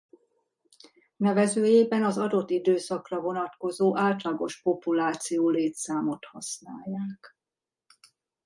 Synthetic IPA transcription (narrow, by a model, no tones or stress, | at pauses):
nɛvɛzøːjeːbɛnɒzɒd̪o̞t̪ːid̪øːsɒkrɒvo̞nɒt̪ko̞zoːʔaːlt̪lɒɡo̞ʃpo̞pulaːt̪sijoːleːt̪saːmo̞t̪hɒsnaːjːaːk